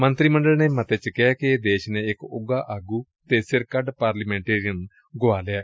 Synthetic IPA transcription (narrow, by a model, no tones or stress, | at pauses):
mɐnt̪ɾimɐɳɖɐɭɐnemɐt̪ːet͡ɕːikːɐjakːejed̪eːɕɐneekːɨuɡaʔɐɡu | t̪eːsjɐɾkɐɖpaːɾlɐmeɳʈeːɾijɐn | ɡoaːlɐja